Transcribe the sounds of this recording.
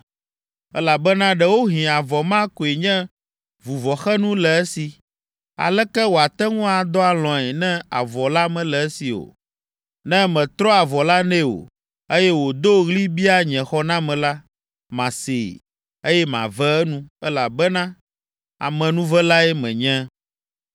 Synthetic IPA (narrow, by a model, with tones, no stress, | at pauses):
ɛ̰˦la˨bɛ˦nã˦ɖɛ˦wo˦ɦĩ˨a˨vɔ˨mã˦ko˨e˨ɲɛ̃˦ | vu˨vɔ˨xɛ˦nũ˦lɛ˨ɛ˦si˨ | a̰˨lɛ˦kɛ˦wo˨a˨t̪ɛ˦ŋũ˦a˨d̪ɔ˦a˨lɔ̃˨ɛ˨nɛ̃˦a̰˨vɔ˨la˦mɛ̃˦lɛ˨ɛ˦si˨o̰˨ | nɛ̃˦mɛ̃˨t̪ɾɔ˦a˨vɔ˨la˦nɛ̃˦o̰˨ | e˦jɛ˦wo˨d̪o˦ɣli˦bi˦a˦ɲɛ̃˨xɔ˦nã˦mɛ̃˨la˦ | mã˨sḛ˨ | e˦jɛ˦mã̰˨vɛ˦ɛ˦nũ˦ɛ˦la˨bɛ˦nã˦ | a̰˨mɛ̃˨nũ˦vɛ˦la˦ɛ˦mɛ̰̃˨ɲɛ̃˦